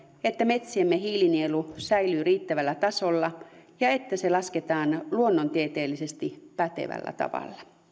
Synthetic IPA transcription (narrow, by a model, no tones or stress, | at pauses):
et̪ːæme̞t̪siemːehiːlinielusæilyːriːt̪ːæʋælːæt̪ɑsolːɑjɑet̪ːæselɑsket̪ɑːnluonːont̪iet̪eːlːise̞st̪ipæt̪ḛʋæ̰lːæ̰t̪ɑ̰ʋɑ̰lːɑ̥